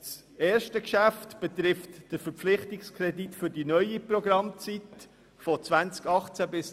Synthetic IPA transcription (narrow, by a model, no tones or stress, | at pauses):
s | eːɾʃtəkʃæftb̥ɛt̪ɾɪftd̥əfəɾpflɪχtɪkskʰrɛditfʏɾdinœʏiprɔɡɾɑmt͡sit | fɔt͡svænt͡skɑχt͡sæbɪs